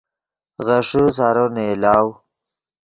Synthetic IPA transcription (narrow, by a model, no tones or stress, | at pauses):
ɣaʂus̬aɾonelaːw